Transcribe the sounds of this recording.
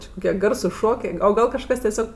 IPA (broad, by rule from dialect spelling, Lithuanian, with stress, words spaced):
t͡ʃʲɪ kʊˈkʲiɛ ˈɡɐrsʊs ˈʃoːkʲeː oː ˈɡɐlˠ kɐʃˈkɐs tʲiɛˈsʲoːk